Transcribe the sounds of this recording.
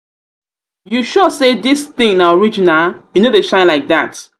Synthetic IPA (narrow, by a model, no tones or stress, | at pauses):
juʃɔsedisθĩŋnãɔɹid͡ʒinaljunoðeʃãɪ̃nlaɪk̚ðat